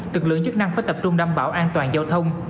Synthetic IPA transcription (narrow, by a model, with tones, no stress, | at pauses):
lɨ˨˩k̚lɨ̰˧əŋt͡ɕɨ˦˥k̚na˧ŋfaː˨˦jt̪ə˨˩p̚t͡ɕʊ˧ŋ͡mɗaː˧mɓaː˧˩wʔaː˧nt̪waː˨˩nzaː˧wt̪ʰə˧wŋ͡m